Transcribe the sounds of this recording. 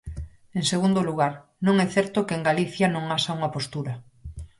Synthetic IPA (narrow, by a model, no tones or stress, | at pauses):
ẽŋseɣ̞und̪oluɣ̞aɾ | nõŋɛθɛɾt̪okeŋɡaliθjanõŋasauŋapost̪uɾa